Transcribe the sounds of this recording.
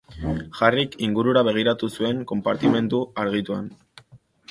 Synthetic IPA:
ʝarikiŋɡuɾuɾaβ̞e̞ɣ̞iɾat̪usue̞ŋko̞mpaɾt̪ime̞nd̪uaɾɣ̞it̪ua̰n

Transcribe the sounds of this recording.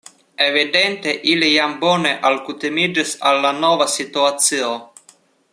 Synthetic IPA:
evid̪ent̪eʔilijambɔneʔalkut̪imid͡ʒesalːanɔvasit̪uat̪sio

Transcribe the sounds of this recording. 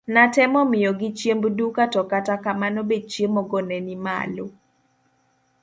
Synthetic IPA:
natɛmɔmɪjɔɡɪt͡ʃjembdukatɔkatakamanobed̚t͡ʃjemɔɡɔnɛnima̰lo

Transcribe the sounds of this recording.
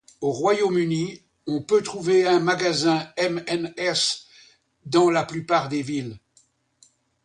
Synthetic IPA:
oʁwajomyni | ɔ̃pøt̪χuveɛ̃maɡazɛ̃ɛmɛnɛs | d̪ɑ̃laplypaːʁd̪evil

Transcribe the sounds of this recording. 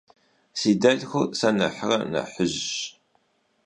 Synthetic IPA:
sid̪ælxʷsænə̰ħəʁnə̰ħəz

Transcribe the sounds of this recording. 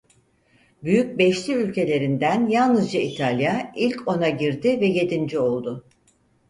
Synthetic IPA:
byjyc̚bɛʃlʲiylʲce̞lʲe̞ɾind̪ænjalˠnɯzd͡ʒait̪ʰalʲjailʲcʰo̞naɟiɾd̪ɪvɛje̞d̪ind͡ʒio̞lˠd̪ʊ

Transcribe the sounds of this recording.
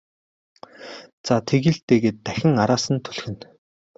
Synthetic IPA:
t͡sat̪ʰeɣĭɮt̪eːɣeːt̪ːæxʲɪ̆ŋaɾaːsə̆nt̪ʰɵ̥ɮxɘ̆n

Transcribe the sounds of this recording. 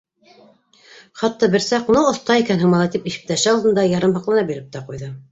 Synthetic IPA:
χɑt̪ːɑbɘ̆ɾsæqunɤŏθt̪ɑikænɦɤ̆ɴmɑlˠɑt̪ipiʃɘ̥̆p̚t̪æʃɘɑlˠd̪ɤ̆nd̪ɑjɑɾɤmbɑqlˠɑnɑbiɾɘp̚t̪æqujðɤ

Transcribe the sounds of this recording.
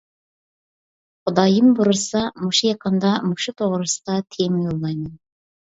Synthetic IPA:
qʰʊd̪ɑjəmbuɾəsɑmuʃijɑqɑnd̪ɑmuʃut̪ʰoʁɾəsə̥d̪ɑt̪ʰemjolˠːɑjmən

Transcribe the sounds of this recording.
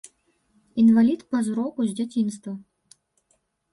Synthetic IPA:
invalʲit̪pɐzɾɔkuzʲd͡zʲat͡sʲinst̪vu

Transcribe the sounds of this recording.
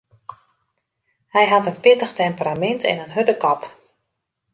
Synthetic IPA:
hɛjɦatənpɪtəxtɛmpəramɛntʰɛ̰nənɦøtəkɔp

